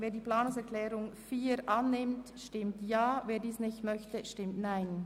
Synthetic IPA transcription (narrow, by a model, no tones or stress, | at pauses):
veːɐdiːplaːnʊŋsɛʁklɛːɾʊŋfiːɾʔanːɪmtʃtɪmtjaːveːɐdiːsnɪçtmœçtəʃtɪmtnaɪn